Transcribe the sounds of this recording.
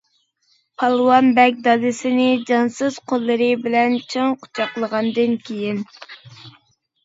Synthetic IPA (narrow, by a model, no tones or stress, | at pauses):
pʰɑlˠwɑnbɛk̚ʲd̪ɑd̪ɨsɪnɪd͡ʒɑnsɨz̥qʰolˠːɨɾɨbɪlɛnt͡ʃʰɨŋqʰʊ̥t͡ʃʰɑqlˠəʁɑnd̪ɨnkʲʰejin